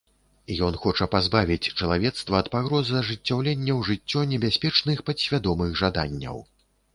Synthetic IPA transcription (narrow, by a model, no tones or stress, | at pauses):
jɔnxɔt͡ʂɐpazbavʲit͡sʲt͡ʂɐlˠavʲɛt̪st̪vɐːt̪paɣɾɔzɨɐʐɨt͡sʲːawlʲɛnʲːɐwʐɨt͡sʲːɔnʲɛbʲasʲpʲɛt͡ʂnɨxpɐsʲvʲad̪ɔmɨɣʐad̪anʲːɐ̰w